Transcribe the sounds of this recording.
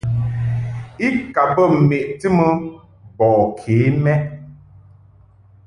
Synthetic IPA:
i˦ka˨bə˦˨m̩˨me˨ʔtɨ˦mə˦ | bɔː˨kʰe˨˦mɛ˦

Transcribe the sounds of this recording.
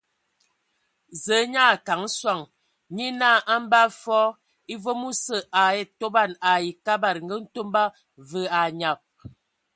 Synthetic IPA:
zə˨˦ɲa˦˨ka˨˦ŋ̩˦swa˨ŋ | ɲi˦na˦˨ʔa˦m˦ba˦fɔ˦ | i˦vo˦mu˦sə˨ʔa˨e˦to˦ba˦˨na˨i˨ka˦ba˨ɾŋ̩˦ɡə˦n̩˦to˦mba˦ | və˨˦a˨ɲa˨p̚

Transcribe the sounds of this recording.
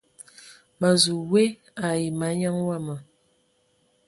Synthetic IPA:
mə˨zu˨we˦ | a˨ji˨ma˨˦ɲa˦ŋwa˦˨mə˨

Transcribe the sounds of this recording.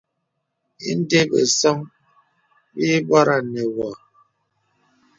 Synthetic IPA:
ḭ˦n̩˦de˦bḛ˨sɔ˦ŋ | bi˦ba˦ɾa˦˨nɛ˨wa˨

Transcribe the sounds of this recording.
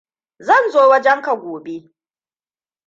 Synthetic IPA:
zɐ˦˨nzoː˦wɐ˦d͡ʒɛ˦ŋka˨ɡʷoː˨be˦

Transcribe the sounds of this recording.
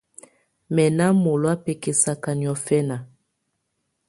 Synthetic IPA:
mɛ˨na˦mo˨lwa˦pɛ˨ke˨sa˨ka˨ni˨ɔ˨fɛ˦na˨

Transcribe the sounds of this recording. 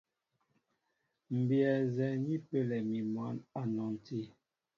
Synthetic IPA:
m̩˨bjɛ˨zɛ˨ɲi˦pe˦lɛ˨mi˨mwa˨˦na˨nɔ˨n˨ti˦˨

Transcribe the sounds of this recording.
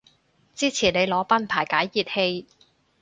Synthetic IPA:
t͡siː˥t͡sʰiː˨˩ne˨˧jlɔː˨˥pɐ˥npʰaː˨˩jkaː˨˥jːiː˨˩t̚he˧j

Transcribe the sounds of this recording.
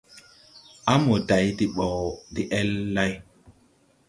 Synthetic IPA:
a˦mo˨da˨jdi˨ɓɔ˨wdi˦ʔɛ˦lːa˦j

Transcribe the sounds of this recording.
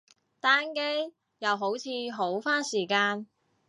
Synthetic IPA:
t̪aː˥nke˥j | jɐ˨˧wɦo˨˥wt͡sʰiː˨˥ɦo˨˥wfaː˥nsiː˨˩kaː˧n

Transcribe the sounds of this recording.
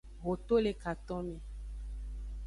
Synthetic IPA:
ɣo˨t̪o˦le˨ka˨t̪ɔ̃˦mẽ˨

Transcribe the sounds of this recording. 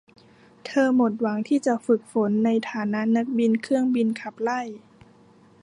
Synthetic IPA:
t̪ʰɤː˧mo˨˩t̪̚wa˩˦ŋt̪ʰiː˥˩t͡ɕa˨˩fɯ˨˩k̚fo˩˦nːa˧jt̪ʰaː˩˦na˦˥ʔna˦˥k̚bi˧nkʰɯ˥˩əŋbi˧nkʰa˨˩p̚la˥˩j

